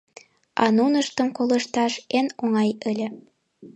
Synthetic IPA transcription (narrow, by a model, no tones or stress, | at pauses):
ʔɑ̰nunəʃt̪ə̆mkolə̆ʃt̪ɑʃenoŋɑjəlʲĕ